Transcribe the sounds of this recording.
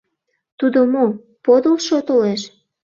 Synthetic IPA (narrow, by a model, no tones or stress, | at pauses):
t̪ud̪omo | pod̪olʃot̪oleʃ